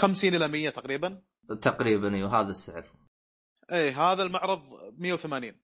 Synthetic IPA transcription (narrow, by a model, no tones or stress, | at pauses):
xamsiːnʔɪlamɪjːat̪aqɾiːban | t̪aqɾiːbaniːwɦaːðasːɪʕɾ | ʔiːɦaːðalmaʕɾˤɑðˤmɪjːawθamaːniːn